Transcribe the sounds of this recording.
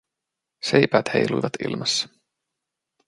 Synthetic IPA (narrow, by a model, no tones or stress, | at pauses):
sejpæːt̪hḛjlujʋɑt̪ḭlmɑsːɑ̥